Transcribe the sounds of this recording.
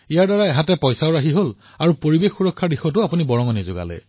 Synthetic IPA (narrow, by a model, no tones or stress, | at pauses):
ijaɹdaɹaɛɦãtɛpɔjsaʊɹaɦiɦol | aɹupoɹibexːuɹɔkʰːaɹdixɔtʊapunibɔɹɔŋɔnizo̰ɡa̰lɛ̰